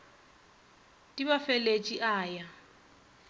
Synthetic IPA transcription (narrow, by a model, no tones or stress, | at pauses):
dʼiβafelet͡ʃʼiʔaːja